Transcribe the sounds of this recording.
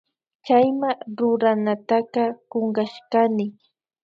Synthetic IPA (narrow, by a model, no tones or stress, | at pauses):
t͡ʃajmaɾʊɾanat̪aqɑkoŋɢaʃkanɪ